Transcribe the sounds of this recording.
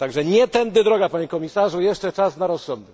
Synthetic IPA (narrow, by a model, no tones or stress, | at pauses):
t̪aɡʐɛɲɛt̪ɛnd̪ɘd̪ɾɔɡapaɲɛkɔmʲisaʐujɛʂt͡ʂɛt͡ʂasnaɾɔsːɔnd̪ɛ